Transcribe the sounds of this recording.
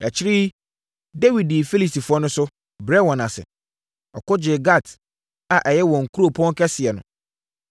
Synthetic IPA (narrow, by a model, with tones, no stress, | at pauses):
ɛ˨t͡ɕʰɪ˦ɾi˦ | de˦wi˨diː˨fe˦li˨si˨fʊ˨ɔ˦nʊ̃˦sʊ˦ | bɾɛ˦wɔ̃˨na˨sɪ̰˨ | ɔ˨kɔ˦d͡ʑɪ˨ɡa˦˨t | a˨ʔɛ˨jɛ˦wɔ̃˨ŋ̩˨kʰu˦ɾo˦˨pʰɔ̃˦ŋ˦kʰɛ˦sɪ˨ɛ˨nʊ̰̃˨